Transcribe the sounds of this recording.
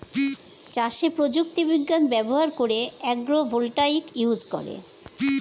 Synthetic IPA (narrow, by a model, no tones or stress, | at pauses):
t͡ɕaʃepɾod͡ʑuk̚t̪ibiɡːanbɛboɦaɾkoɾeɛɡɾobʱolʈaikiɦusko̰ɾḛ